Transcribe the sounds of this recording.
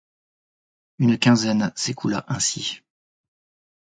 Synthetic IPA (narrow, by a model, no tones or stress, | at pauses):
ynkʲɛ̃zɛnsekʰula̰ʔɛ̃si